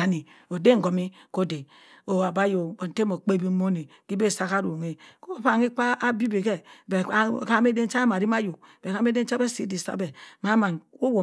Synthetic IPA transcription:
a˨ni˨ | o˨de˦ŋ̩˨ɡo˨mi˦ko˦de˨ | o˨wa˨ba˦jo˨bo˨n˨te˦mo˨k͡pe˦bi˦mo˦ne˨ki˦be˦˨sa˦ka˦ɾu˨ŋe˦ko˦pa˦˨ŋi˦k͡pa˦ʔa˦bi˦be˨ke˦be˨˦˨ka˦me˦de˦t͡ʃa˦m˨a˨ɾi˦ma˦jo˨b̥e˨ka˦me˦de˦t͡ʃa˦be˦si˨˦di˨sa̰˦be˨ma˦ma˨no˦wo˨

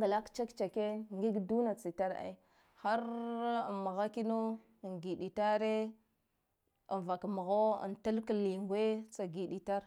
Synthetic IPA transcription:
ŋɡa˨la˦kt͡ʃa˦kt͡ʃa˨ke˦ŋɡi˦ɡdu˦na˨t͡si˨ta˦ɾa̰˨i˦ | xa˦ɾ | ma˨ɣa˦ki˦no˦˨ | ŋɡi˨ɗi˨ta˦ɾe˦ | a˨va˨kmu˨ɣo˦a̰˨nta˦lkə˨li˨ŋɡʷe˦t͡sa˨ɡi˨ɗi˨ta˦ɾ

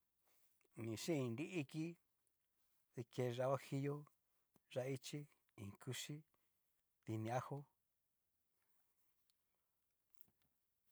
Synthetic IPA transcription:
nĩ˨ʃĩ˦ĩ˧ndi˦ʔi˦ki˦ | ði˧ke˧ʐa˧wa˦hi˧jo˦ | ʐa˧i˦t͡ʃi˦ | ĩ˨ŋ˨kʰu˧ʃi˦ | ði˧nĩ˧a˦ho˦

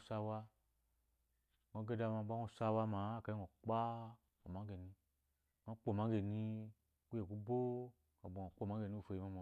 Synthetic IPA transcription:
sa˧wa˧˨ | ŋo˧˦ɡe˦da˧ma˨ba˦ŋo˧˨sa˧wa˧ma˨˦˨ka˨˦i˦ŋo˨k͡pa˦ | o˨ma˨˦ɡe˨ni˧˨ | ŋ˨a˦k͡po˦˨ma˨˦ɡe˨ni˧˨ | ku˦e˨ku˦bo˦ | a˨bo˨ŋo˨k͡po˦˨ma˨˦ɡe˨ni˦u˧fe˧˨i˨ma˧˦mo˨

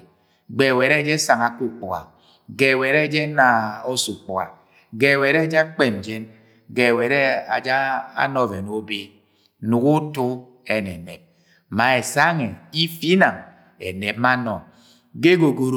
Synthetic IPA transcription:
ɡ͡be˨we˨ɾe˦d͡ʒe˦sa˨ŋa˨ku˦k͡pu˨ɣa̰˨ | ɡe˨we˨ɾe˦d͡ʒe˦na˨o˦su˨k͡pa̰˨ | ɡe˨we˨ɾe˦d͡ʒa˦k͡pe˦˨n̩˨d͡ʒe˦n | ɡe˨we˨ɾe˦a˨d͡ʒa˦a̰˦nɔ˨ve˨no˨˦be˦ | nu˨ku˦tu˦ | e˦˨ne˨ne˨p̚ | ma˨e˨sa˦ŋe˨i˦fi˦na˨ŋ | ḛ˨ne˨p̚ma˦nɔ˨ | ɡe˦ɡo˨ɡo˨ɾ

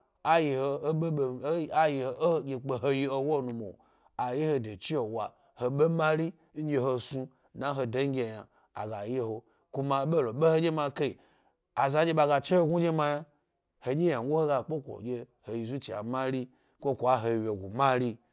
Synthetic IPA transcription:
a˨ji˨ho˨˦e˦˨˦a˦ji˨o˨˦ɡʲe˨k͡pe˨ɦo˦ji˦o˨wo˦˨nu˨mo̰˨ | a˨je˦ho˧de˨t͡ʃi˦o˨wa˨ | ho˨ɓe˦ma˦ɾi˦ | n̩˦ɡʲe˧ɦo˨su˧ | na˨˦ɦo˧do˦ɡʲe˦˨ja˨ | a̰˨ɡa˨je˦ho˨ | ku˦ma˨˦ɓe˦lo˨ɓe˦ho˦d͡ʒʲe˦ma˧ke˦i˨ | a˨za˨˦d͡ʒʲe˦ɓa˧ɡa˨t͡ʃe˦ho˦ɡʷu˦d͡ʒe˦ma˧ja˦ | ho˨d͡ʒʲe˦ja˨ŋɡʷu˦ho˦ɡa˨k͡po˦kʷo̰˨ɡʲe˦ | ho˨ji˨zu˦t͡ʃi˨a̰˨ma˦ɾi˦ | kʷo˦kʷo˨a˦ɦo˨we˨ɡʷu˨ma˦ɾi˦

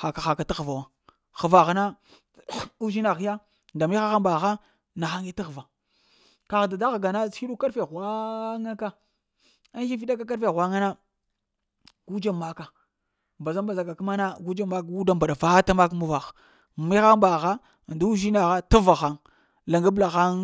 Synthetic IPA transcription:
xa˨ka˨xa˨ka˨ta˦ɣva˨wa˦ | xə˨va˨ɣna˦ | u˦ʒi˦na˨xja˦ | nda˨mi˦xa˦xa˦mba˨xa˦ | na˨xa˦ŋi˦ti˦ɣva˨ | ka˨ɣda˨da˦ɣa˨ɡa˨nḁ˦i˦ɗu˦ka˦ɾfe˨ɣa˦ŋa˦ka˦ | a˦i˦fi˦ɗa˦ka˦ka˦ɾfe˦˨wa˦ŋa˦na˦ | ɡ̥u˦d͡ʒa˦˨ma˦ka˨ | mba˨za˦mba˨za˨ka˨ka˦ma˦na˦ɡu˦d͡ʒa˦ma˦kɡu˦da˦mba˨ɗa˨va˦ta˦ma˦k̬mu˦va˨x | mi˦xa˦mba˨ɣa˦˨ | da˦u˦ʒi˦na˨ɣa˦ta˦va˨xa˦ŋ | la˨ŋɡa˦bla˨xa˦ŋ

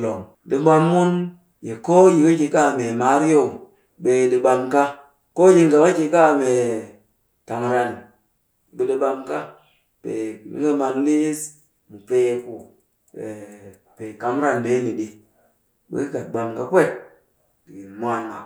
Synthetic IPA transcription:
lo˨ŋ | ɗi˨ɓa˦mːu˦n | je˨ko˦ji˨ki˦ki˨ka˦˨me˨ma˦ɾi˦jo˦˨ | ɓe˨ɗi˨ɓa˧mka˦ | ko˦ji˦ŋɡa˨ma˦ki˨ka˦˨me˨ | ta˨m˨ɾa˨ni˨ | ɓe˨ɗi˦ɓa˧mka˦ | pḛ˨mḭ˦ŋe˦ma˨n˦li˦s | mu˨pe˦ku˨ | ɓe˨ | pe˨ka˨m˦ɾa˦nɓe˦ni˨ɗi˨ | ɓḛ˦ka˨t̚ɓa˨mka˦kʷe˦ | di˨i˨mʷ˦a˨˦ŋa̰˨

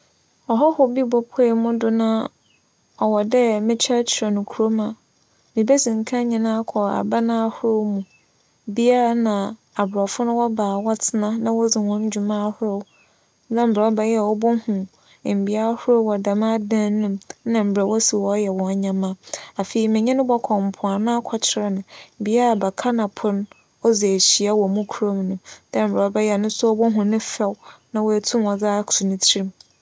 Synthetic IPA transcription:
ɔ˨ɦɔ˦hʊ˨bi˦bɔ˨pʰɛ˦˨mʊ̃˦dʊ˦nã˦ | ɔ˨wɔ˨dɛ˦mɪ̃˦t͡ɕʰa˦t͡ɕʰɪ˨ɛ˨nʊ̃˨kʰu˨ɾo˦mã˨ | mĩ˨be˦sĩ˨ŋ̩˨kʰã˦ɲĩ˨nã˦kʰɔ˨a̰˨ba˦nã˦a˦hʊ˦ɾo˦mũ˨ | bi˦a˦a˦nã˨ | a˨bɾɔ˨fʊ˦nʊ̃˦wɔ˦baː˨wɔ˦tʰɪ˦nã˦nã˦wɔ˦d͡zɪ˨hɔ̃˦n˦d͡ʑᶣu˨mã˦hʊ˦ɾɔ˦˨w | nã˦m̩˦bɾa˨ɔ˦bɛ˦jɛ˦˨wɔ˦bʊ̃˦hũ˨ | m̩˨bi˦a˦hʊ˦ɾo˦wɔ˨da˨mã˦dã˦nʊ̃˦m˦nã˨m̩˨bɾa˨wɔ˦si˨wɔ˦jɛ˨wɔ̃˨˦ɲã˨mã˦a˨fe˨i˨mɪ̃˨ɲɛ̃˦nʊ̃˦bɔ˦kʰɔ̃˨m̩˨pʰʊ˨a˨nã˦a˦kʰɔ˨t͡ɕʰɪ˨ɾɛ˦nʊ̃˨m̩˨bi˦a˦˨ba˨kʰa˦nã˨pʰʊ̃˦n | ɔ˦d͡ze˨e˨ɕi˨a˦wɔ˨mũ˦kʰu˦ɾo˦m˨nʊ̃˨d̥ã˦m̩˨bɾa˨ɔ˦bɛ˦jɛ˦˨nʊ̃˦sʊ˦ɔ˦bɔ˦ɦʊ̃˨nʊ̃˦fɛ˦wnã˨wɔ˦˨tʰũ˦mwɔ˨d͡za˦ksʰu˨nʊ̃˦tʰi˦ĩ˦m

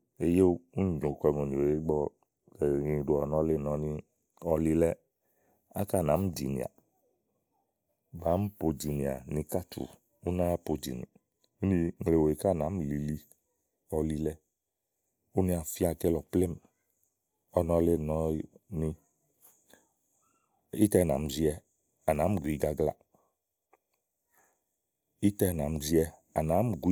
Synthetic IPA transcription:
e˨je˦u˦ɲ˨˦ɲõ˨kɛ˧ŋo˨ni˨o˨e˦ɡ͡bɔ˧ | ɛ˨ɲĩ˧˨du˧˦ɔ˨nɔ̃˧˦le˦˨nɔ̃˨nĩ˧ | ɔ˧li˧lɛ˦ | a̰˦ka˦˨na˨˦m̩˦d͡ʒḭ˨nḭ˨a̰˨ | ba˨˦m̩˦po˧d͡ʒi˨ni˨a̰˨nĩ˧ka˦tʰṵ˨ | u˦na˦po˨d͡ʒḭ˨nḭ˨ | u˦ni˧˦ŋ˨le˨wo˨e˨ka˦˨nã˨˦m̩˦˨li˨li˧ | ɔ˨li˧lɛ˧ | u˦nĩ˦a˨fi˦a˧kɛ˦lɔ˨plɛ˦m˨ | ɔ˨˦nɔ˧˦le˦nɔ˧ni˧ | i˦tɛ˧˨na̰˨m̩˨zi˦ɛ˧ | a˨na˨˦m˦˨ɡʷi˧ɡa˨˧ɡla̰˧ | i˦tɛ˧˨na˨m̩˦zi˦ɛ˧ | a˨na˨˦m˦ɡʷ

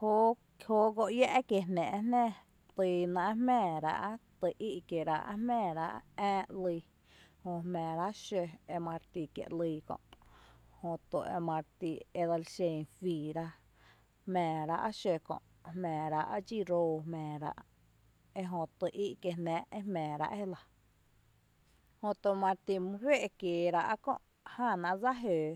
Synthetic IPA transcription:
ho˦kho˦ɡo˧ʔja˦˧ʔkje˧˨nɛ̃ː˨ʔnɛ̃ː˦˧ | t̪i˧nã˧ʔmɛ̃ː˧˨ɾa̰˧ʔa˦t̪ɨ˨˧ʔi˦ʔkje˨ɾa̰˧ʔa̰˦hmɛ̃ː˧˨ɾa˧ʔɛ̃ː˦ʔliː˧ | hõ˧˨hmɛ̃ː˨ɾa˦ʔʃe˧e˧mã˧ɾt̪i˧kjḛ˧˨ʔliː˧kɔ̰̃˧˨ʔhõ˧t̪o˨ʔḛ˧mã˧ɾt̪i˧e˧d̪a˧lʃẽ˧fiː˨ɾa˦ | hmɛ̃ː˨ɾa˧ʔa˦ʃe˧kɔ̰̃˧˨ʔ | hmɛ̃ː˨ɾa˧ʔa˦d͡ʒi˦˨ɾoː˧hmɛ̃ː˨ɾa̰˧ʔ | e˧ɦõ˧t̪ɨ˨˧ʔi˦ʔke˧nɛ̃ː˦e˦hmɛ̃ː˨ɾa̰˧ʔe˦la˨ | hõ˧t̪o˧˨mã˧ɾt̪i˧mɨ̃˧he˦ʔkjeː˨ɾa˧ʔa˦kõ̰˧˨ʔ | hã˦˧˨nã˧ʔd͡za˦ɦøː˨

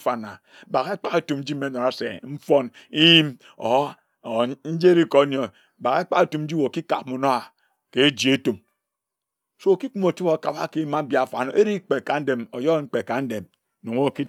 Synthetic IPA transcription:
fa˨na˨ | ba˨ɣe˦k͡pa˦ke˨tu˨mn̩˦d͡ʒi˦m̩˦e˦no˨ɾa˦sḛ˨m̩˦fo˦n | i˦ji˦m | o̰˨˦˨ | n̩˦d͡ʒe˦ɾi˦ko˨˦n˨o˨ | ba˨ke˦k͡pa˦e˦˨tu˨mn̩˦d͡ʒi˦wo˨ki˦ka̰˨p̚mo˨no˦a˨ | ke˨˦d͡ʒi˨e˦tu˨m | so˦o˨ki˦k͡pu˦mo˨ti˦o˨ka˨ba̰˦ke˦ma˦m̩˦bja˨fa˨no˨ʔe˦ɾi˦k͡pe˨ka˨n̩˦de˨mo˨jo˦ŋ͡m̩˦k͡pe˨ka˨n̩˦de˨m | no˨ŋ˦wo˦˨ki˦

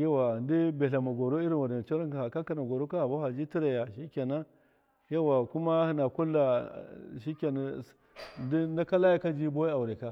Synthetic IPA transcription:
ja˦wa˨ndi˦be˨ɬa˨ma˨ɡo˨ɾo˦i˦ɾi˨nwa˨de˨n˨t͡ʃo˦ɾa˦ka˨ha˨ka˦ka˨na˨ɡo˨ɾo˦ka˦ha˨ba˦ha˨d͡ʒi˦ti˦ɾa˨ja˨ʃi˦kʲa˨na˦ | ja˦wa˨ku˦ma˦hi˦na˨ku˦lːa˨ʃi˦kʲa˨na˨ | ndi˦nda˦ka˦la˦ja˦ka˦d͡ʒi˦bo˦i˦a˨wu˨ɾe˨ka˦

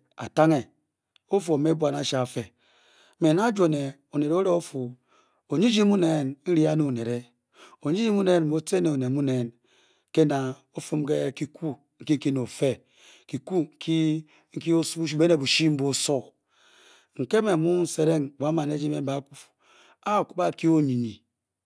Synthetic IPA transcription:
a̰˨ta˦ŋe˨ | o˦fo˨me˦bwa˨na˨ʃa˨fe˨˦ | me˨na˦d͡ʒo˨ne˨ | o˨ne˨ɾo˦ɾe˦o˦fu˨ | o˨ɲi˦d͡ʒi˦mu˦ne˨nn̩˦ɾi˦a˦nu˦˨ne˨ɾe˦ | o˨ɲi˦d͡ʒi˦mu˦ne˦nm̩˨bo˦te˦ne˨o˨ne˨mu˦ne˨n | ke˦na˨ | o˦fu˦mke˦ki˨ku˦ | ŋ̩˨ki˦ŋ̩˦ki˦no˨fe˦ | ki˨ku˦ŋ̩˨kʰi˦ | ŋ̩˦ki˦o˦su˦be˦ne˨bu˨ʃi˦m̩˦bo˦o˨so˦˨ | ŋ̩˨ke˦me˨mu˦n̩˨se˦ɾe˦ŋ˨ba˨˦ma˨ne˦d͡ʒi˦me˨m˦ba˨˦ku˨fu̥˨ | a˦o˨ku˦ba˦˨ki˦o˦ɲi˨ni˨

